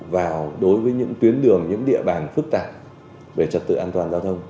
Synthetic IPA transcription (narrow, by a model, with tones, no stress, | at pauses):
vaː˨˩wɗo˨˦jvəː˨˦jɲɨ̰˧˥ŋt̪wi˨˦ənɗɨ˨˩əŋɲɨ̰˧˥ŋɗḭ˧˨əɓaː˨˩nfɨ˦˥k̚t̪aː˨˩p̚ | ve˧˩t͡ɕə˨˩t̚t̪ɨ̰˧˨ʔaː˧nt̪waː˨˩nzaː˧wt̪ʰə˧wŋ͡m